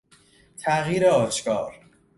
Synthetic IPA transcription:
t̪ʰæʔɣiːɾeɒːʃkɒːɾ

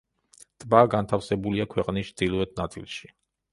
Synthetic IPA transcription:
t̪ʼbaɡant̪ʰafsɛbuliakʰwɛqʼnist͡ʃd̪ilˠɔɛt̪̚nat̪sʼḭlˠʃi̥

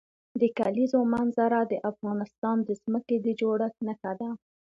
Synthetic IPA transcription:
d̪əkalizomanzaɾad̪əʔafɣɑnɪst̪ɑnd̪əzməked̪əd͡ʒoɽaxnəxad̪a

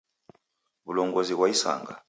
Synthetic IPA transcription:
βulɔŋɡozik̬waisa̰ːŋɡa̰

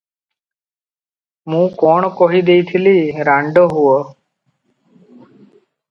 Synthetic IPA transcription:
mũːkɔːɳkɔɦid̪eit̪ʰɪliɾaɳɖoɦuɔ

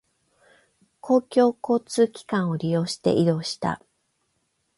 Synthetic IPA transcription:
kʰo̞ːkʲo̞ːko̞ːt͡sɨːkʲi̥kãɰ̃o̞ɾʲijo̞ːɕi̥t̪e̞̰ʔid̪o̞ːɕi̥t̪a̰

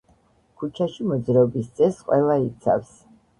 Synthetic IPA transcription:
kʰut͡ʃʰaʃimɔd̪zɾɛɔbist̪sʼɛsqʼwɛlˠait̪sʰa̰fs

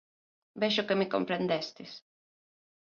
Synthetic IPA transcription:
bɛʃʊkemiko̰mpɾend̪ɛst̪is

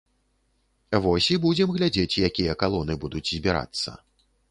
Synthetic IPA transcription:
vɔsʲibud͡zʲɛmɣlʲad͡zʲet͡sʲjakʲijɐkalˠɔnɨbud̪ud͡zʲzʲbʲiɾa̰t̪sːɐ̰

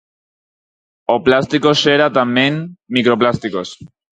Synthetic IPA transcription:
oplast̪ikoseɾat̪amjenmikɾoplast̪iko̞s

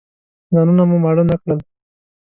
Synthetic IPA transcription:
zanunamumaɽənəkɽəl

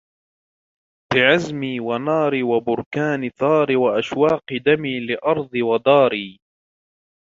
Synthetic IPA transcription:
b̥ɪʕazmiːwanɑːɾiːwabʊɾkaːnɪθɑːɾɪwaʔaʃwɑːqɨd̪amiːlɪʔɑɾˤd̪ˤɨwad̪ɑːɾiː

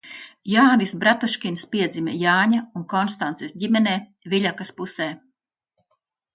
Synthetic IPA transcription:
jaːnisbɾat̪uʃkʲinspiɛd̪zimʲɛ̰jaːɲaunkɔnst̪ant̪sesɟʲimʲɛneː | viʎʲakaspusɛː

